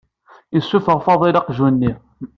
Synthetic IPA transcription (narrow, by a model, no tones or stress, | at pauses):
əsːufəʁfɑðˤilɑqʒunːi